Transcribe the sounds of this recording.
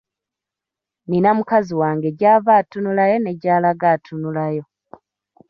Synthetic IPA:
ninamukaziwaːŋɡe̞ɟaːvaːtunulajo̞ne̞ɟaːlaɡatʰunulajo̞

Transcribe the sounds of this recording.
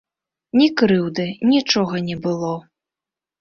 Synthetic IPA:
nʲikɾɨwd̪ɨnʲit͡ʂɔɣɐnʲɛbɨlˠɔ

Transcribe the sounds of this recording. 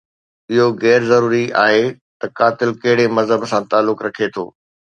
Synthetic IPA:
ɪɦoɣɛːɾzɐɾuːɾia̰ːɦe | t̪ɐkaːt̪ɪlkɐɦɪɽemɐzɦəbsãt̪aːlːʊkɾɐkʰet̪ʰo̰ː

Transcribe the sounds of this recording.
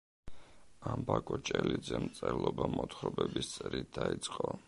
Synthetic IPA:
ambakʼɔt͡ʃʼɛlid̪zɛmt̪sʼɛlɔbamɔt̪χɾɔbɛbist̪sʼɾit̪̚d̪ait̪sʼqʼɔ

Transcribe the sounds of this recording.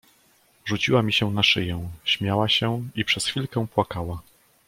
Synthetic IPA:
ʐut͡ɕiwamʲiɕɛnaʂɘjɛ̃ɕmʲjawaɕɛipʂɛsxʲfʲilkɛ̃pwakawa

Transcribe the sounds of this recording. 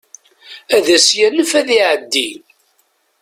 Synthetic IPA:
æðæsjænəfæðiʕəd̪ːi

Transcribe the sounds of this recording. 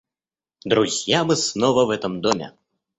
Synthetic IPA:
d̪ɾuzʲjamɨsnɔvɐvɛt̪ɐmd̪ɔmʲɛ̰

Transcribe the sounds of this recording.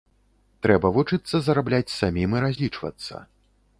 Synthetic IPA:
t̪ɾɛbɐvut͡ʂɨt̪sːɐzɐɾablʲat͡sʲsamʲimiɾazʲlʲit͡ʂvɐ̰t̪sːɐ̰

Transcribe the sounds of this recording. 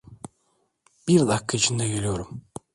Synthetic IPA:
b̥iɾd̪akʰːait͡ʃʰind̪ɛɡe̞lʲijo̞ɾum

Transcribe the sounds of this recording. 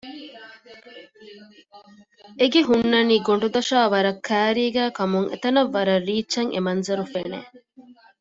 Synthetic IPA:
eɡeɦunːɐniːɡoɳɖud̪ɐʃaːʋɐɾɐkʰːæːɾiːɡæːkɐmuŋʔḛt̪ɐnɐʋːɐɾɐrːiːt͡ʃːɐŋʔḛmɐnzɐɾufeːnḛː

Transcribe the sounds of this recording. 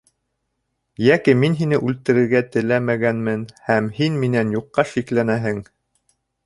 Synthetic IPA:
jækiminɦinɘʔʉlt̪ɘ̆ɾɘ̆ɾɡæt̪ɘ̆læmæɡænmɘnhæmhinminænjuqːɑʃiklænæɦɘŋ

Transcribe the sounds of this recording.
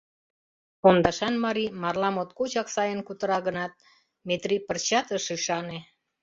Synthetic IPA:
ond̪ɑʃɑnmɑɾimɑrlɑmot̪̚kot͡ɕɑksɑjənkut̪əɾɑɣənɑt̪̚ | met̪ripərt͡ɕɑt̪əʃɯʃɑne

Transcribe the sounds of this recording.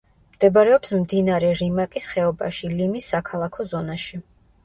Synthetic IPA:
md̪̥ɛbaɾɛɔpsmd̪inaɾɛɾimakʼisχɛɔba̰ʃilimisːakʰalˠakʰɔzɔnaʃi

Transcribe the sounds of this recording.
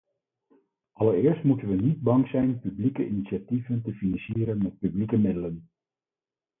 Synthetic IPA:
ʔɑləɾɪːɹstmutənʋənid̚bɑŋzɛjnpyblikəinitʃativəntəfinɑnsiːɾənmɛt̚pyblikəmɪdələn

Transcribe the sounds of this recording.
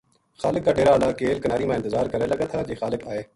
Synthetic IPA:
xaːlɪk̚ːaːɖeːɾaːlaːkeːlkənaːɾiːmãːɪnt̪ɪzaːɾkəɾeːləɡaːt̪ʰaːd͡ʒeːxaːlɪkaːeː

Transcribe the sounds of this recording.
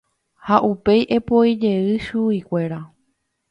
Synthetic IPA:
haʔupe̞jʔe̞poid͡ʒe̞ɨʃuikʷe̞ɾa

